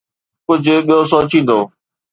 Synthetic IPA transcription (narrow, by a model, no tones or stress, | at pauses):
kʊd͡ʑʱʊɓijosoːt͡ɕĩːn̆d̪oː